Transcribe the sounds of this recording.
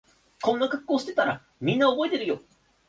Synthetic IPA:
kõ̞nːakakɯ̥kːo̞ːɕi̥t̪e̞t̪aɾa̰ | mʲĩnːaobo̞et̪e̞ɾɯ̟jo

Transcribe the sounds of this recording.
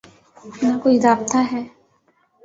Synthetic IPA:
ãkoːiɾaːbt̪aɦɛː

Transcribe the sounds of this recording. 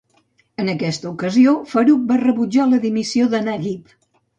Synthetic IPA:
ənəkɛst̪əukəziofəɾuk̚barəβud͡ʒaləðimisioðənaɣip

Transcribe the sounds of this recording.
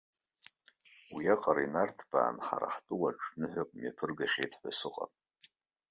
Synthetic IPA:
wiaqʼaɾinartʰb̥a̰ːnħaɾa̰ħtʼɨwaʈ͡ʂʼʰnɨħʷᶣakʼmijapʰɨrɡaχʲejtʰħʷasɨqʼa̰pʼ

